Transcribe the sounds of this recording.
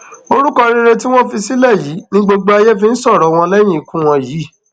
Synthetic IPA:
o˧ɾu˦kɔ˧ɾi˧ɾe˧ti˦w̃ɔ̃˦fi˧si˦lɛ˦˨ji˨˦nĩ˦ɡ͡bo˧ɡ͡bo˦a˧jɛ˦fi˧n̩˦sɔ˦˨ɾɔ˨w̃ɔ̃˧lɛ˦j̃ĩ˦˨i˨kũ˦w̃ɔ̃˧jiː˨˦˨

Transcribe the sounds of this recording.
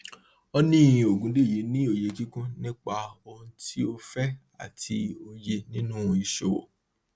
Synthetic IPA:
ɔ˦nĩ˦˨jĩ˨o˨ɡũ˨˦de˦˨ji˨˦nĩ˦o˧˨je˨˧d͡ʒi˦kũ˦nĩ˦k͡pa˧o˧hũ˧tʰi˦o˧fɛ˦ | a̰˦˨ti˧o˧je˧nĩ˦nũ˦˧i˧ʃo̰˨wo̰˨

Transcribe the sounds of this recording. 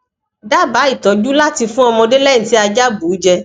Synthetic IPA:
da˦ba˨˦i˦˨tɔ˨d͡ʒu˦la˦ti˧fũ˦ɔ˧mɔ̃˧de˦lɛ˦ĩ˦˨ti˨˦a˧d͡ʒa˦bu˨˦d͡ʒɛ˧

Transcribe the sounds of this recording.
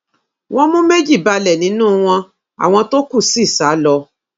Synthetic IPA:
w̃ʔɔ̃˦mũ˦me˦d͡ʒi˦˨ba˧lɛ˨nĩ˨˦nũː˦w̃ɔ̃˧ | a̰˨w̃ɔ̃˧to˦ku˦˨si˦˨sa˨˦lɔ˧

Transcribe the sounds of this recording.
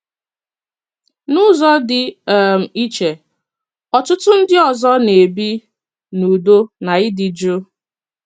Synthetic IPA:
nʊ˦zɔ˦dɪ˨m̩˨i˦t͡ʃe˨ | ɔ˨tʊ˦tʊ˦n̩˦dɪ˦ɔ˨zɔ˦ne˨bi˦ | nu˨do˦na˨ɪ˦dɪ˨d͡ʒo˦

